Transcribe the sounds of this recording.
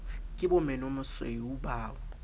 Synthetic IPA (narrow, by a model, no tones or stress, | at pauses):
kʼɪɓɔmɛnomʊswḛuɓaːwɔ